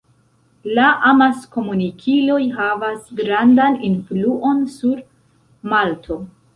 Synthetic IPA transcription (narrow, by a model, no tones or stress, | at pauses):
laʔamasko̞munikʰilo̞jɦavasɡɾandaninfluʔo̞nsuɾ | maltʰo̞